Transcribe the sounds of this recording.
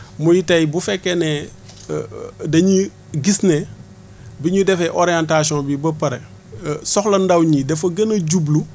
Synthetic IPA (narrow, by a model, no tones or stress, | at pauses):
mujitɐjbufɛkːenɛ | dɐɲi | ɡisne | biɲudɛfɛʔoɾijantas̬iɔ̃bibɐpɐɾe | sɔxlɐndɐwɲidɛfɐɡɐnɐɟublu